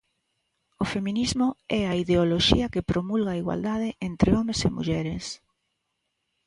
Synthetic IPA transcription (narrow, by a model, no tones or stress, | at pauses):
ofemĩnizmʊɛɐiðeoloʃḭɐkɪpɾomulɣɐiɣwa̰ld̪aðɪʔent̪ɾeɔmesɪ̰mṵʎɛɾes